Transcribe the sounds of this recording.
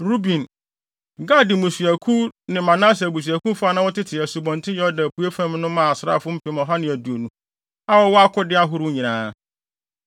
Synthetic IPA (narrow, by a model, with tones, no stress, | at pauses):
ɾu˦bĩ˨n | ɡa˦˨dɪ˨mʊ̃˨sɥæ˨kʰũ˦nɪ̃˨mã˨nã˦s̬bu˨s̬ɥæ˨kũ˦fʊ˦a˦nã˦wɔ˦tʰɪ˦tʰɪ˨æ˨su˨bɔ̃˨ntʰɪ̃˦jɔ˦dã˨pʰu˨e˦fæ̃˦mnʊ̃˦mã˦˨a˨sɾa̰˦˨fʊ˦m̩˦pʰɪ˨˦mɔ̃˨ɦa˦nɪ̃˨æ˨du˨o˨nũ˨ | a˦wɔ˦wɔ˦a˦kʰʊ˦dɪ˦a˦ɦʊ˦ɾu˦ɲĩ˨nãː˨˦